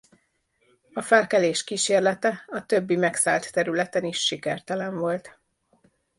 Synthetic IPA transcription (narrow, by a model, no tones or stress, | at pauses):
ɒfɛlkɛleːʃkiːʃeːrlɛt̪ɛɒt̪ø̞bːimɛksaːlt̪ːɛɾylɛt̪ɛniʃːikɛrt̪ɛlɛɱvo̞lt̪